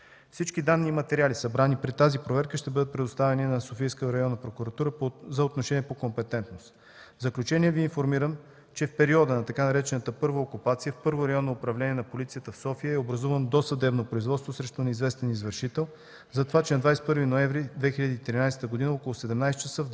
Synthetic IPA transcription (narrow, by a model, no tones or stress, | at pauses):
fsit͡ʃkid̪anːiːmɐt̪ɛɾialisɐbɾanipɾit̪azipɾovɛɾkəʃt̪ɛbɤd̪ət̪̚pɾɛd̪ʊst̪avɛninɐsofijskəɾɐjɔnːɐpɾokuɾɐt̪uɾəzɐot̪noʃɛniɛpokompɛt̪ɛnt̪nost̪ | vzəklʲut͡ʃɛniɛviːnfoɾmiɾəm | t͡ʃɛfpɛɾiɔd̪ənɐt̪ɐkanɐɾɛt͡ʃɛnət̪əpɤɾvəokupat̪sijəfpɤɾvoɾɐjɔnːoːpɾɐvlɛniɛnɐpolit̪sijət̪əfsɔfijəɛobɾɐzuvənd̪osɐd̪ɛbnopɾoizvɔt̪st̪vosɾɛʃt̪ʊnizvɛst̪ɛnizvəɾʃit̪ɛlˠ | zɐt̪ovat͡ʃɛnɐd̪vajsɛ̥t̪pɤɾvinoɛ̃vɾid̪vɛxilʲəd̪iːt̪ɾinajsɛ̥t̪əɡod̪inəɔkolˠʊsɛd̪ɛmnajst̪t͡ʃəsəv